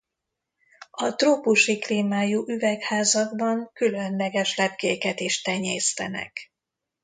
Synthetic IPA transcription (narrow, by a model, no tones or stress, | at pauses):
ɒt̪roːpuʃikliːmaːjuʔyvɛkhaːzɒɡbɒŋkylønlɛɡɛʃlɛp̚keːkɛt̪iʃt̪ɛɲeːst̪ɛnɛ̰k